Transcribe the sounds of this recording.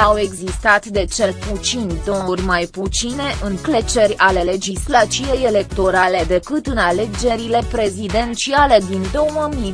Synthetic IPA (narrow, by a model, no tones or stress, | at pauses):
awe̞ɡzist̪at̪d̪e̞t͡ʃe̞lput̪sinʲd̪o̞wərʲmajput̪sine̞ʔɨŋkle̞t͡ʃe̞rʲale̞le̞d͡ʒislat͡ʃ̪iveje̞le̞kt̪o̞ɾale̞d̪e̞kɨt̪ɨnale̞d͡ʒe̞ɾile̞pɾe̞zid̪e̞nt͡ʃiale̞d̪ind̪o̞wəmi